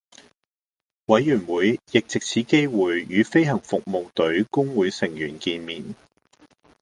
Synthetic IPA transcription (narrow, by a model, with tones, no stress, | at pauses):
wɐ˨˧jːyː˨˩nwuː˨˥jjɪ˨k̚t͡sɪ˨k̚t͡sʰiː˨˥ke˥jwuː˨jːyː˨˦fe˥jhɐ˨˩ŋfʊ˨k̚mo˨wt̪ɵ˨˥ɥkʊ˥ŋwuː˨˧jsɪ˨˩ŋjyː˨˩nkiː˧nmiː˨n